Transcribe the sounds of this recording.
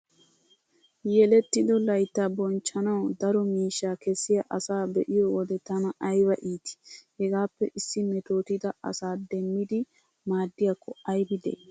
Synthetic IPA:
jɛlɛt̪ːɪd̪ɔlɐjt̪ːaːbɔnt͡ʃːɐnɐwd̪ɐɾɔmiːʃːaːkɛsːɪjɐʔɐsaːbɛ̰ʔɪjɔwɔd̪ɛt̪ɐnɐʔɐjbɐʔiːt̪ɪ̥hɛɡaːpːɛʔɪsːɪnɛt̪o̞ːt̪ɪd̪ɐɐ̰saːd̪ɛmːɪd̪ɪ | maːd̪ːɪjɐkːɔɐjbɪd̪ɛ̰j

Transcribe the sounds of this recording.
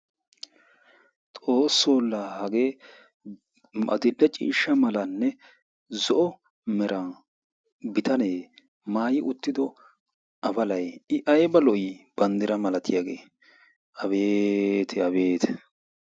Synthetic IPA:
t̪ʼo̞ːsːoːlːaːhɐɡeː | ɐ̰d̪ɪlːɛt͡ʃʼḭːʃːɐmɐlɐnːɛ | zɔʔɔ | mɛɾʔɐ | bɪt̪ɐneː | maːjɪʔʊt̪ːɪd̪ɔ | ɐbɐlɐjɪʔɐjbɐlɔjɪb̥ɐnd̪ɪɾɐmɐlɐt̪ʰɪjaɡeː | ɐbeːt̪ʰɛɐbeːt̪ʰɛ̥

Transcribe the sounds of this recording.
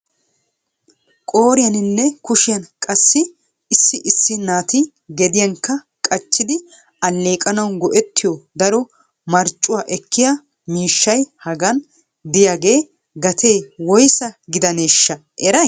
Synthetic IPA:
kʼoːɾɪjɐnɪnːɛkʊʃɪjɐnkʼɐsːɪ | ɪsːɪʔɪsːɪnaːt̪ɪ | ɡɛd̪ɪjɐŋkːɐ | kʼɐt͡ʃːɪd̪ɪ | ɐlːe̞ːkʼɐnɐwnɡɔʔɛt̪ːɪjɔd̪ɐɾɔ | mɐɾt͡ʃʼːʊwaːʔɛkːɪja | miːʃːɐjhɐɡɐn | d̪ɪjaːɡe̞ː | ɡɐt̪ʰe̞ːwɔjsɐɡɪd̪ɐne̞ːʃːɐʔɛɾɐj

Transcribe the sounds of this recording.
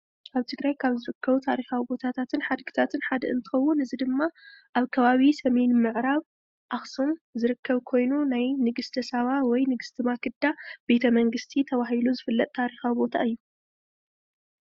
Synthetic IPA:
ʔaβt̪ʰɨɡɾajkʰaβzɨɾɨkʰːɐβut̪ʰaɾixawibo̞t̪ʰat̪ʰat̪ʰɨnħad̪ɡɨ̥t̪ʰat̪ʰɨnħad̪ɐʔɨ̰nt̪ʰɨ̥xɐwːʊnɨzid̪ɨmːaʔaβkʰɐβaβisɐmenmɨʕɾaβ | ʔaxsumzɨɾɨkːɐβkʰo̞jnunajnɨɡɨst̪ʰɐsaβawɔjnɨɡɨst̪ʰɨmakʰɨd̪abe̞t̪ʰɐmɐŋɡɨst̪ʰit̪ʰɐβaɦiluzɨfɨlːɐt̪̚ʼt̪ʰaɾixawibo̞t̪ʰa̰ɨjːu

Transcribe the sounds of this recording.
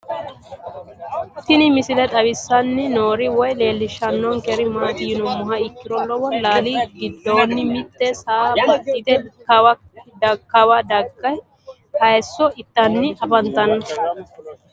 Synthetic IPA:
t̪ɪnɪmɪsɪlɛt̪ʼɐwɪsːɐnːɪnoːɾɪwɔjle̞ːlːɪʃɐnːɔnkɛɾɪmaːt̪ɪjɪnɔmːʊɦɐɪkːɪɾɔlɔwɔnlaːliːɡɪd̪ːoːnːɪmɪt̪ːɛsaːbɡɪd̪ɛkɐwɐ | dɐkːɐwɐd̪ɐɡːɐj | hɐjsːɔʔɪt̪ːɐnːɪʔɐbɐnt̪ɐnːɐ

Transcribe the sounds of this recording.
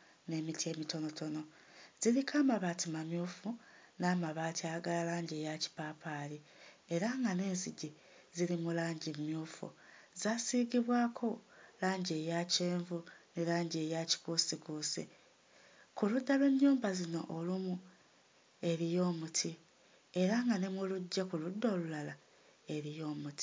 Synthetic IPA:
ne̞mitie̞ːmito̞no̞tʰo̞no̞ | zilikʰaːmaβaːtimamjuːfunaːmaβaːtiaɡalalaːɲɟejaci̥paːpʰali | eɾaŋɡane̞ːnziɟi | zilimulaːɲɟimmjuːfṵ | zaːsiːɡiβwaːkʰo̞laːɲɟe̞jaceːɱvunelaːɲɟe̞jaci̥kusikusḭ | kuludːalweɲːuːmbazino̞̰ʔolumu | e̞ɾijo̞ːmutʰi | e̞ɾaŋɡanemuluɟːakuludːo̞ːlulala | e̞ɾijo̞ːmuti̥

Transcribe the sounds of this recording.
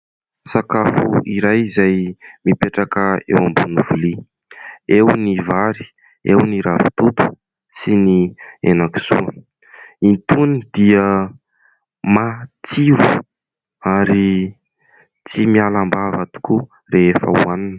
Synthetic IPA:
sakafṵiɾajizajmipeʈ͡ʂakəḛwambunuvuli | ewnivaɾi̥ | ḛwniɾavi̥t̪ut̪u̥ | sinienaki̥z̥ṵə | int̪unid̪̥iə | mat͡siɾu | aɾi | t͡simialambavat̪u̥ku | reefə̰uaninə̥

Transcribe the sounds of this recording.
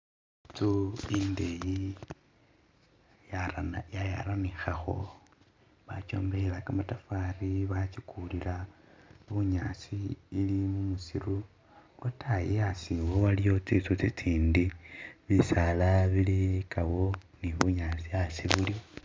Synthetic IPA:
t͡suindeji | jaja̰ɾanixaxo̞̰ | βat͡ʃo̞̰ːmbelakamatafaɾiβat͡ʃikʰulilaβuɲasiilimumusiɾu | lotʰajijasiwoβalijo̞t͡sit͡sut͡sit͡siːndiβisalaβilikaβo | niβuɲaːt͡sijasiβuli

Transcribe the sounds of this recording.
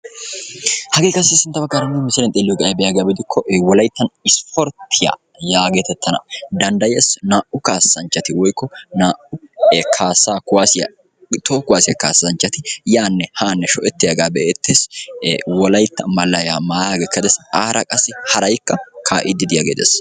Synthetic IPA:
hɐɡeːkɐsːɪsɪnt̪ːɐbɐkːɐːɾɐnːɛmɪsɪlɛnt̪ʼeːlːɪjɔɡɐʔbɛjaɡaːbɪd̪ɪkʰːɔʔwɔlɐjt̪ːɐnɪspʰɔɾt̪ʰːɪja̰ | jaːɡet̪ɛt̪ːɐnɐ̰d̪ɐnd̪ɐjesnaːʔʊkaːsːɐnt͡ʃːɐt̪ɪwɔjkːɔnaːʔʊkʰaːsaːkʊwaːsɪjɐ̰ | t̪oːkʊwaːsɪjɐka̰ːsːɐnt͡ʃːɐt̪ɪjaːnːɛhaːnːɛʃɔʔɛt̪ːɪjɐɡaːbɛʔeːt̪ːeːs | wɔlɐjt̪ːɐmɐlːɐjaːmaːjaːɡɛkːɐd̪ɛsaːɾɐkʼɐsːɪhɐɾɐjkːɐkʰaːʔɪd̪ɪd̪ɪja̰ɡeːd̪ɛ̰s

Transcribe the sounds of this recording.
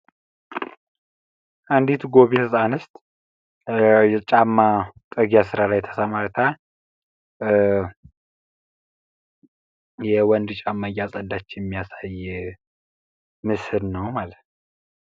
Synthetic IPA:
ʔand̪it̪ɡo̞βit̪ʰɨsʼanɨst̪ʼ | t͡ʃʼamːat̪ʼɨɡjasɨɾalajt̪ʰə̥səmaɾt̪ʰa | jɛwɔnd̪t͡ʃʼamːajasʼəd̪at͡ʃːɪnjɛmːijasaj | mɨsɨlnəwmalət̪

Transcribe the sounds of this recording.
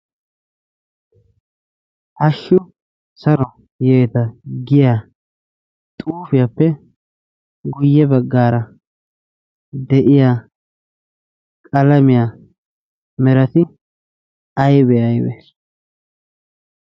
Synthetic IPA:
hɐʃːʊ | sɐɾɔ | jeːt̪ɐɡɪja | t̪ʼuːfɪjapːɛ | ɡʊjːɛbɐɡːaːɾɐ | d̪ɛʔɪjaː | kʼɐlɐmɪjaː | mɛɾɐt̪ɪ | ɐjbɛɐjwɛ̰

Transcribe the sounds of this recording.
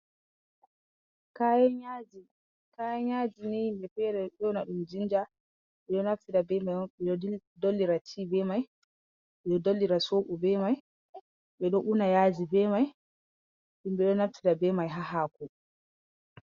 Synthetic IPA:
kajɛɲad͡ʒi | kajɛɲaːd͡ʒinimbɛpɛɾɛɗɔnaɗumd͡ʒind͡ʒa | ɓɛɗɔnaftiɾabɛmaɛidolːiɾat͡ʃʰibɛmaj | ɓɛɗɔdolːiɾasoːʔubɛmaj | ɓɛɗɔʔunajaːd͡ʒibɛmaj | ɗumɓɛɗɔnaftiɾabɛmajɦaɦaku

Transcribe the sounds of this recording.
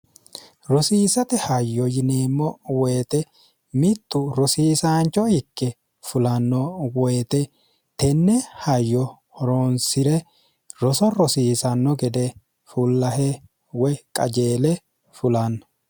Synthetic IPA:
ɾɔsiːsɐt̪ɛhɐjːɔjɪneːmːɔwɔːt̪ɛ | mɪt̪ːʊɾɔsiːsaːnt͡ʃːɔhɪkːɛ | fʊlɐnːɔwɔjt̪ɛ | t̪ɛnːɛhɐjːɔ | hɔɾonsɪɾɛ | ɾɔsɔɾɔsiːsɐnːɔɡɛd̪ɛ | fʊlːɐɦɛ | wɔjkʼɐ̰d͡ʒeːlɛ | fʊlɐnːɐ

